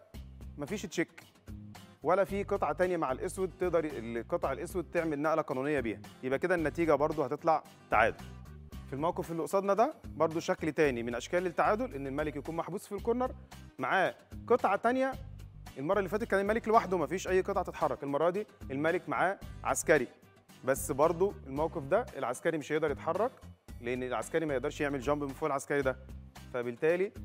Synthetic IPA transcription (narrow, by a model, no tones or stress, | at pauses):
mæfiːʃetʃekː | wælæfiːqet̪ˤʕɑt̪ænjæmaʕalʔeswed̪̚t̪eʔd̪ɑɾˤelqet̪ˤɑʕelʔeswed̪̚t̪eʕmelnæʔlæqɑːnuːnejːɑbḭːhæjebʔæked̪ænːæt̪iːɡæbɑɾˤd̪ˤohæt̪et̪ˤlɑʕ | t̪ːa̰ʕa̰ːd̪olfilmæwqefelʔoʔsˤɑːd̪nɑd̪æbɑɾˤd̪ˤoʃæklt̪æːnimenʔæʃkæːlet̪ːaʕaːd̪olʔenːelmælekjækuːnmaħbuːsfilkoɾnɑɾˤmaʕaːqet̪ˤʕɑt̪ænjæʔelmɑɾˤɑlːiːfæːt̪et̪̚kæːnelmæleklewaħd̪omæfiːʃʔæjːqet̪ˤʕɑt̪et̪ħɑrˤːɑkelmɑrˤːɑd̪ielmælekmaʕaːʕa̰skæɾi | bæsːbɑɾˤd̪ˤoʔelmæwqefd̪æelʕaskæɾimeʃjeʔd̪ɑɾˤjet̪ħɑrˤːɑkleʔenːelʕa̰skæɾimæjeʔd̪ɑɾˤʃjeʕmelʒɑmbmfoːʔelʕaskæɾid̪æfæbelt̪æːli